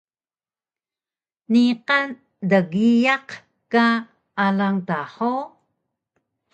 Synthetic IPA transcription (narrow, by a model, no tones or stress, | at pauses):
niqan | dəɡijaq | ka | ʔalaŋtaħo